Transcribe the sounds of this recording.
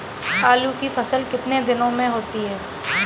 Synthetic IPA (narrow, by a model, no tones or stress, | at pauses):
haːlukifɐsəlkɪt̪ned̪ɪnõmẽɦoːt̪iɦɛː